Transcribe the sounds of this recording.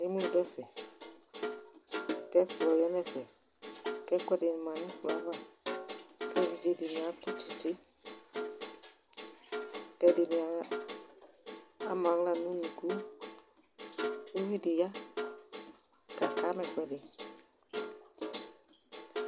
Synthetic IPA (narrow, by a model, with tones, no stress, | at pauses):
ne˦mũ˦u˨dɔ˦fɛ˨ | kɛ˦fu˨lɔ˨jɛ˦nɛ˦˨fɛ˨ | kɛ˦kʷɛ˦de˨ni˨mã˨nɛ̃˦fu˨a˨˦va˦ | kɛ˦vi˨d͡ʒe˨˦de˨nĩ˨a˨˦to˦t͡ʃi̥˨t͡ʃe˦ | kɛ˧˦de˨nĩ˨a˨˦ | mã˨˦ŋ˦la˦˨nũ˦nũ˨ɡu˦ | o˦vi˦de˨ja˦ | ka˨ka˨˦mɛ̃˨kʷɛ˨de˨